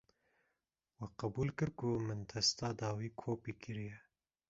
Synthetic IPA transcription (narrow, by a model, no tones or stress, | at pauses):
wɛqɐbuːlkɨɾkumɨnt̪ʰɛst̪ɑːd̪ɑːwiːkʰoːpiːkʰɨɾijɛ